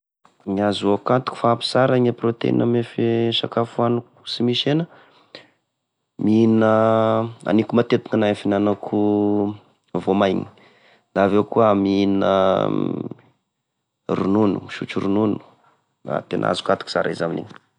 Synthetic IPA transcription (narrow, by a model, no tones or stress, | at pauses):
ɲazuakat̪u̥ku̥faapi̥saɾaɲeprot̪ḛḭnəmefeʃakafuanuku̥simiʃenə | minə | a̰nikumat̪et̪iŋanaefinanakʰu | vomajɲi̥ | nd̪aːvewkuəmiinə̰ | rununṵʃut͡ʃuɾununu̥ | a̰t̪enʔa̰zu̥kat̪u̥ku̥sa̰ɾaizaminḭɲ